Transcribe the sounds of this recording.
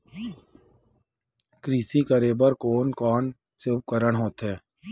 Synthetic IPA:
kɾiːsikəɾeːbəɾkoːnkɔːn | seʊp̚kəɾəɽɦoːt̪ɦɛː

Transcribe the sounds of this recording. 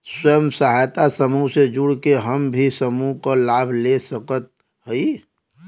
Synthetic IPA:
swəjəmsəɦajt̪asəmused͡ʒuɽkeɦəmbʱisəmukalabʱlesəkət̪̚ | ɦəi

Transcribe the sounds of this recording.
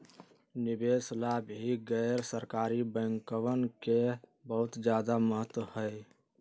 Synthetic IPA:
nɪbeːslabɦiɡɛɪɾsəɾkaːɾibə̃ɪŋkəʋənkebəɦʊt̪d͡ʒjaːd̪aməɦət̪wəhəe

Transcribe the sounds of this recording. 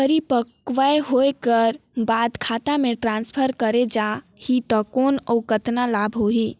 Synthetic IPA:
pəɾipəkʋaeɦojkəɾbad̪kʰat̪amẽʈɾãnspʰəɾkəɾed͡ʒa | hit̪ɔkonɔwkət̪nalabʱɦoɦi

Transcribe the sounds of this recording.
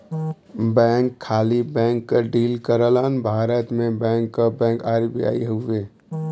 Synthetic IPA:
bɛ̃ːŋkʰːaːlibɛ̃ːŋkːəɖiːlkəɾələnbʱaːɾət̪mẽbɛ̃ːŋkːabɛ̃ːŋkaːɾbʱḭa̰ːḭɦəʋe

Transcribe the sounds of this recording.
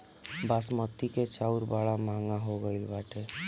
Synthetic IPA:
basmət̪ːiket͡ʃauɾbaɭamaŋɡaɦoɡəilbaʈe

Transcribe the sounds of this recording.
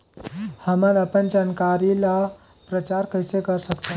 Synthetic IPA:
həmənəpənd͡ʒankaɾila | pɾət͡ʃaɾkəjsekəɾsəkt̪ʰ

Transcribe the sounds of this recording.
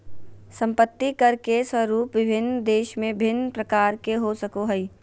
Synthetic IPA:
sə̃mpət̪ːikɐɾkeswəɾuːpʋɪbʱɪnːd̪eːʃmẽbbʱɪnːpɾɐkaːɾkeɦosəkoɦəi

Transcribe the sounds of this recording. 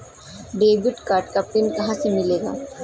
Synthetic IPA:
ɖeːbɪʈkaːɾʈkapɪnkɐɦãsemɪleːɡaː

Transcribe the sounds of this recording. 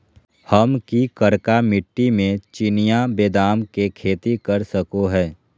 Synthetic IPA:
hɐmkikəɾkamɪʈːimẽt͡ʃɪnijabeːd̪aːmkekʰeːt̪ikɐɾsəkoɦɛː

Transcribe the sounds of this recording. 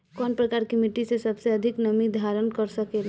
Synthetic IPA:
kɔːnpɾɐkaːɾkimɪʈisesɐbseɐd̪ʱɪknɐmid̪ʱaːɾənkɐɾsəkel

